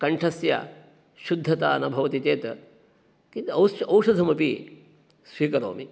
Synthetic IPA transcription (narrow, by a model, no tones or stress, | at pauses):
kɐɳʈʰɐsja̰ː | ʃud̪ʱːɐt̪aːnɐbʱɐʋɐt̪it̪eːt̪ɐ̰ | kit̪ɐwɐwʃɐd̪ʱɐmɐpḭ | sʋiːkɐɾo̰ːmi